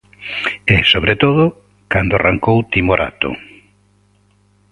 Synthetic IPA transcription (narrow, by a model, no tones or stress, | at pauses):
ɛsoβɾet̪oðʊ | kand̪ʊaraŋkowt̪imoɾʔa̰t̪ʊ̰